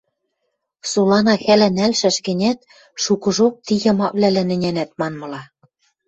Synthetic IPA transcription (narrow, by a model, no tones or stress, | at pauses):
sulɑnɑxælænælʃæʃɡɘ̆nʲæt̪ | ʃukɤ̆ʒok̚t̪ijɤ̆mɑvlælænɘ̆nʲænæt̪̚mɑnmɤ̆lɑ